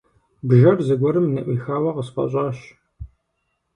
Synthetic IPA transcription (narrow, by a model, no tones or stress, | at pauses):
bʒɐrzɨɡʷɔɾɨmnɨʔʷiːxaːwɐqəsqɐ̰ɕʼɑːɕ